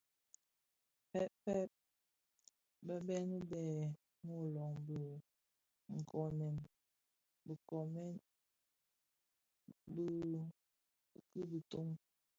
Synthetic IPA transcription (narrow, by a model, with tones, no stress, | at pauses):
pɛ˦ʔpɛ˦t̚ | bə˦bɛ˦nə˦bɛ˨ | ŋo˦˨lɔ˨ŋbə˨ | ŋ̩˨kʰɔ˦˨nɛ˨n | bə˨kɔ˨mɛ˦ | b | ki˦bə˨to˦ŋ